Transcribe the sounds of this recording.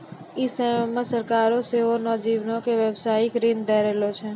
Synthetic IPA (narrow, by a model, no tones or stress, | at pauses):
ɪsəmãsəɾkaːɾoseɦonɔd͡ʒiʋnõkeʋjəʋsaːɪkɾɪ̃nd̪ɛɾɛːlot͡ʃʰɛ